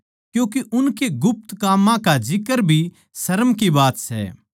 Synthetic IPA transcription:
kjũːk̬eʔʊnkeɡʊp̚t̪kaːmãkad͡ʒɪkəɾbʱi | sɐɾəmkibaːt̪sɛ̰

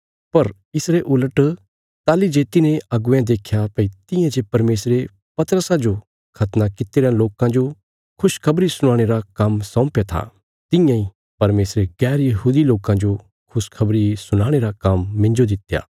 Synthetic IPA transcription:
pɐɾ | ɪsɾeʔʊləʈ | t̪aːlid͡ʒeːt̪inẽɐɡʊɛ̃d̪eːkʰjapɐit̪ɪ̃jãd͡ʒepɐɾmeːsɾe | pɐt̪əɾəsãd͡ʒo | kʰɐt̪nakɪt̪eːɾãloːkãd͡ʒo | kʰʊʃkʰɐbɾisʊɽ̃aːɽ̃eɾakɐmsɐ̃ːpjat̪ʰa̰ | t̪ɪ̃jãĩ | pɐɾmeːsɾeɡɛːɾjɐɦuːd̪iloːkãd͡ʒo | kʰʊskʰɐbɾisʊñaːɽ̃eɾakɐmːɪ̃nd͡ʒod̪ɪt̪ja̰ː

